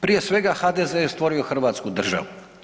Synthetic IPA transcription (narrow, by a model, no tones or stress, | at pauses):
pɾije̞sʋe̞ɡaxad̪ezeest̪ʋo̞ɾio̞xr̩ʋaːt̪skud̪r̩ʒa̰ʋu